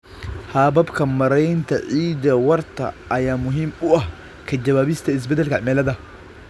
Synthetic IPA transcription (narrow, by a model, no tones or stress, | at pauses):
haːbɐbkɐmmɐɾɐjnt̪ɐʔiːd̪ɐwɐɾt̪ɐ̰ː | jamʊɦɪmɓʊʔɐ | kɐd͡ʒɐbaːbɪst̪ɐɪs̬bɛd̪ɐlkɐʔmɛːlɐd̪ɐ